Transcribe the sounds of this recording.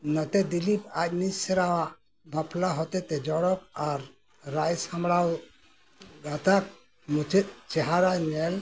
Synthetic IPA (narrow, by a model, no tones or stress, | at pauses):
nat̪ɛd̪ilipac̚nissɛɾawaʔ | bapʰlaɦɔt̪ɛt̪ɛd͡ʒɔɽɔk̚aɾː | ajsamɽaw | ɡat̪ak̚ | mut͡ʃʰit̪̚ˀt͡ʃɛɦaɾanɛl